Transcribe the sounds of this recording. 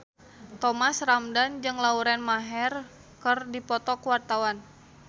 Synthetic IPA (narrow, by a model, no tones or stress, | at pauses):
t̪ɔmasramdand͡ʒɨŋlauɾɛnmaɦɛr | kərdipɔt̪ɔkuwart̪awan